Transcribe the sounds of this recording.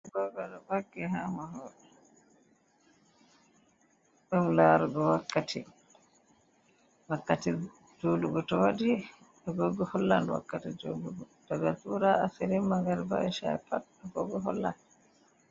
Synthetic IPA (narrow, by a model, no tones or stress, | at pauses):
ɡɔɡɔɗɔbakːɛɦamahɔɗɛ | ɗumlaɾuɡɔwakːatʰi | wakːati | d͡ʒoluɡɔtɔwadi | ɗɔɡɔɡɔhɔlːanwa̰kːatid͡ʒo̰ɡuɡɔtɔɡatuɾaːsiɾimːaŋɡaɾba̰ɛʃa̰ɛpat̚ɔɡɔɡɔɦɔ̰lːa̰n